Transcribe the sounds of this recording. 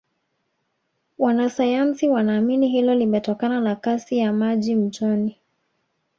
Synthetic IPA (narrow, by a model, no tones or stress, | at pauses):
wanasajansiwanaːminiɦilɔlimɛtɔkananakasijamaʄim̩t͡ʃɔni